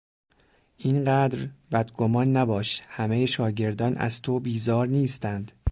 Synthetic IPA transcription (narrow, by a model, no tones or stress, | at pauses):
ʔiːnɢæːd̪ɾbæd̪ɡomɒːnːæbɒːʃhæmejeʃɒːɟe̞ɾd̪ɒːnʔæ̰zt̪ʰobiːzɒːɾniːst̪ænd̪̥